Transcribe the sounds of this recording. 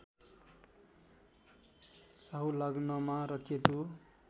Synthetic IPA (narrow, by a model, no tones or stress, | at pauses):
saɦulaɡnʌmaɾʌkʰet̪u